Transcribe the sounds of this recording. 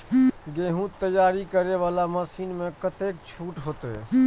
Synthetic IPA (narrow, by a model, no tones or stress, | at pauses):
ɡeːɦũt̪ːəjːaːɾikəɾeʋaːlaməsiːnmẽkət̪eːk̚t͡ʃʰuːʈɦoːt̪eɦɛ̰